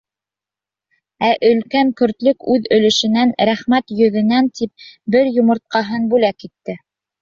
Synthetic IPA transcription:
æʔɵ̆lkæŋkɵ̆ɾt̪lɵkʉðɵ̆lɘ̆ʃɘ̆nænɾæχmæt̪jɵ̆ðɘ̆nænt̪ip̚bɘɾjŏmɤ̆ɾt̪̚qɑɦɤnbʉlækːit̪ːɘ

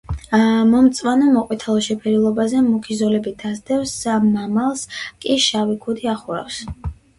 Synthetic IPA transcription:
mɔmt̪sʼwanɔmɔqʼwit̪ʰalˠɔʃɛpʰɛɾilˠɔbazɛmukʰizɔlɛbid̪̥azd̪ɛfsːamːamalˠskʼiʃavikʰud̪iaχuɾa̰fs

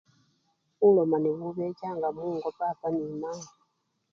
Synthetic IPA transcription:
ulɔmaniβuβɛcaŋɡamuːŋɡɔtatanima

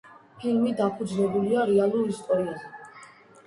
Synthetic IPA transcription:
pʰilmid̪apʰud̪znɛbuliaɾɛalˠuɾist̪ʼɔɾiazɛ

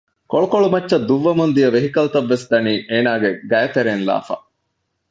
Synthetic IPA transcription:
koɭukoɭumɐtːʃɐd̪ːuʋːɐmund̪ijɐʋeɦikɐlt̪ɐʋːesd̪ɐniːʔeːnaːɡeɡɐjɐt̪eɾenla̰ːfɐ̰

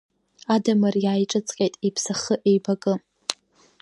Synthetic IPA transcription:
adamɨrjaːjʈ͡ʂʼɨt͡sʼqʲʼejtʼepʰsaχəʔejbakʼɨ

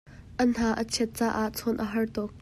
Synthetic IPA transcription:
ʔən̥aːʔət͡sʰɛt̪̚t͡saːʔaʔt͡sʰɔnʔəɦɐrt̪ɔk̚

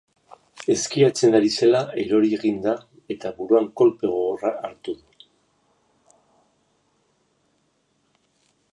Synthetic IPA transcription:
e̞skiat͡se̞nd̪aɾise̞lae̞ɾo̞ɾieɣind̪a | e̞t̪aβuɾuaŋko̞lpe̞ɣ̞oɣraʔaɾt̪uðu

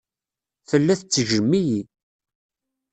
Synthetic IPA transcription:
θəlːæθt͡sːʒəmːiji

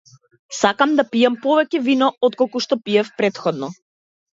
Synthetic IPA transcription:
sakamd̪apijampɔvɛcɛvinɔɔt̪̚kɔlˠkuʃt̪ɔpiɛfpɾɛt̪xɔd̪nɔ

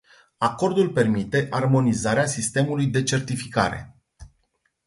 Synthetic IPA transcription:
ako̞rd̪ulpe̞rmit̪e̞ʔarmo̞nizaɾeasist̪e̞mulujd̪e̞t͡ʃe̞rt̪ifika̰ɾe̞̰

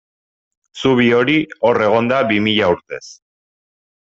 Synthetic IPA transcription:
suβ̞io̞ɾio̞re̞ɣ̞o̞nd̪abimiʎauɾt̪e̞̰s

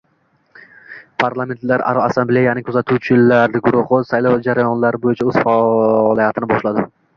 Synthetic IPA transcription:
pʰaɾlˠame̞nt̪laɾa̰ɾɒasamblejanɪŋʲkʰɵʊzat̪ʰʊt͡ʃʰɪlaɾd̪ɪɡʊɾʊhʊsajlˠɒwd͡ʒaɾajɒnlaɾɪbojɪt͡ʃʰaɵz̥faɒlˠijat̪ʰɪnɪbɒʃlad̪ɪ

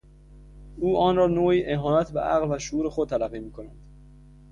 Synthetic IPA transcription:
uːʔɒːnɾɒːnoːiːʔeɦɒːnæt̪ʰbeʔæɣlvæʃoʔuːɾexod̪̚t̪ʰælæɣːiːmiːkʰo̞nænd̪̥

